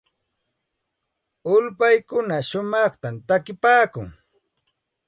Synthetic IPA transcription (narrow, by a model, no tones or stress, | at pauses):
ʊlpajkʊnaʃʊmɑχt̪ant̪akɪpaːkʊ̰ŋ